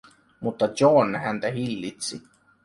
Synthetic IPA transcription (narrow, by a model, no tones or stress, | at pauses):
mut̪ːɑonːhænt̪æɦilːit̪si